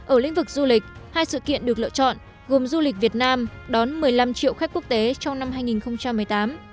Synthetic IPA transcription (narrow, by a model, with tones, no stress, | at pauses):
ʔəː˧˩lḭ˧˥ŋ̟vɨ˨˩k̚zu˧lï˨˩k̟̚haː˧jsɨ̰˧˨kḭ˧˨ənɗɨ˨˩ək̚lə̰ː˧˨t͡ɕɔ̰˧˨nʔ | ɣo˨˩mzu˧li˨˩k̚vi˨˩ət̚naː˧m | ɗɔ˨˦nmɨ˨˩əjla˧mt͡ɕḭ˧˨wxk̚ku˦˥k̚t̪e˨˦t͡ɕɔ˧wŋ͡mna˧mɦaː˧jŋi˨˩nxə˧wŋ͡mt͡ɕa˧mːɨ˨˩əjt̪aː˨˦m